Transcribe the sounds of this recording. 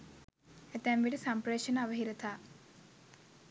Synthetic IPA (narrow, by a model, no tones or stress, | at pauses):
et̪ɛmʋiʈisɐmpɾeːʃɐnaɐʋɐɦiɾɐt̪ʰa